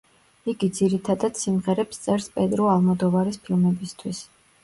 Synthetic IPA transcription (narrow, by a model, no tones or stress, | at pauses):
iɡid̪ziɾit̪ʰad̪ad̪̥simʁɛɾɛpst̪sʼɛɾspʼɛd̪ɾɔalˠmɔd̪ɔvaɾispʰilˠmɛbist̪ʰwis